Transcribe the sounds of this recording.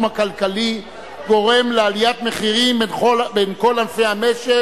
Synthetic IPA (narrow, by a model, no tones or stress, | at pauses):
makalkali | ɡo̞ʁe̞mlealijat̪meχiʁimbenχobenko̞lalfehameʃe